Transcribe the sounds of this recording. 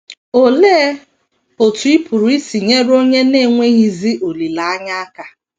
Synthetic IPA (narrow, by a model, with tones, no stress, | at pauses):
o˨le˦ | o˨tʊ˨˦i˦pu˨ɾu˨i˦si˨ɲe˦ɾo˦ɲe˦ne˦˨ŋʷe˦ɣi˦zi˦ʔo˨li˨la˨a˦ɲa˦a˦ka˦